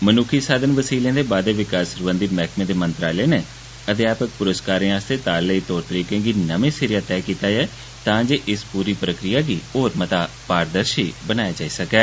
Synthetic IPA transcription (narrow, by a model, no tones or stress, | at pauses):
mənuːkʰiːsaːd̪ənʋəsiːlẽːd̪eːbaːd̪eːʋɪkaːsəɾbə̃nd̪imɛːkʰmẽːd̪eːmənt̪ɾaːleːneː | əd̪ɪaːpək̚pʊɾəskaːɾẽːaːst̪eːt̪aːlləiːt̪ɔːɾt̪əɾiːkẽːɡiːnəmẽːsɪɾɪjaːt̪ɛːkiːt̪aːd͡ʒɛː | t̪ãːd͡ʒeːʔɪspuːɾiːpɾəkɾɪjaːɡiːɦoːɾmət̪aː | paːɾd̪əɾʃiːbənaːjaːd͡ʒaːiːsəkɛː